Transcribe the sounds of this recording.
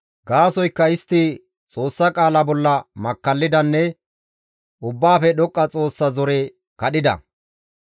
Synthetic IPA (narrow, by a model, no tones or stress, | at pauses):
ɡaːsɔjkːɐɪst̪ːɪ | t͡sʼo̞ːsːɐkʼaːlɐbɔlːɐmɐkːɐlːɪd̪ɐnːɛ | ʔʊbːaːfɛɗɔkʼːɐt͡sʼo̞ːsːɐzɔɾe | kɐɗɪd̪ɐ̰